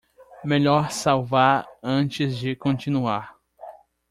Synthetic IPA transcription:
meʎɔɾsawvaɾɐ̃t͡ʃɪzd͡ʒɪkõt͡ʃĩnuaɾ

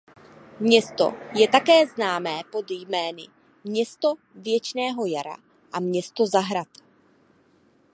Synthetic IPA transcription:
mɲɛst̪o̞̰jɛt̪akɛːznaːmɛːpo̞d̪jmɛːnɪ̰ | mɲɛst̪o̞ | vjɛt͡ʃnɛːɦo̞jaɾa̰ | ʔamɲɛst̪o̞zaɦɾat̪

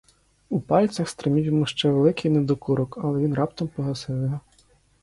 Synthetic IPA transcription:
upɑlʲsʲɐxst̪ɾɪmʲiwjɔmuʃt͡ʃɛʋelˠɪkɪjnɛd̪ɔkuɾɔkɐlˠɛʋinrɑp̚t̪ɔmpɔɦɐsɪwɪɦɔ

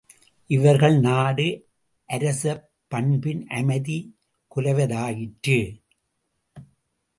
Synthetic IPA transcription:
ʔɪʋɐɾɣɐɭnaːɽɯ | ʔɐɾɐsɐpːɐɳbɪnʔɐmɐɪði | kʊlɐʋɐðaːjɪʈrɯ

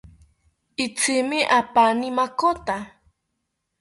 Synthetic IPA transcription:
it͡sʰimiʔapanimakot̪a

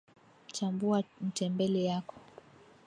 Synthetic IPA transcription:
t͡ʃambuam̩tɛmbɛlɛjakɔ̥

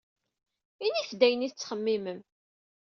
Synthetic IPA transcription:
iniθd̪æjəniθət͡sːχəmːiməm

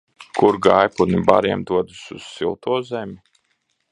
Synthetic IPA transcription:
kʰuɾɡajpuniba̰ɾiɛmd̪uɔd̪usuz̥ːilˠt̪uɔzɛmʲi

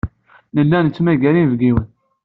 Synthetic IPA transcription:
nəlːænt͡sːmæɡæɾinvɡiwən

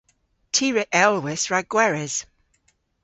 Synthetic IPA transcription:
tʰiːɹɪʔɛlˠwɪsɹaɡwɛɹɪz̥

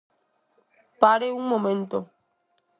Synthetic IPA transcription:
paɾeuŋmõmẽnt̪o

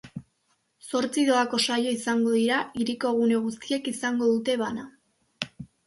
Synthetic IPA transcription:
so̞ɾt͡siðo̞ako̞sajo̞isaŋɡo̞ðiɾaiɾiko̞ɣ̞une̞ɣ̞ust̪ie̞kisaŋɡo̞ðut̪e̞βana

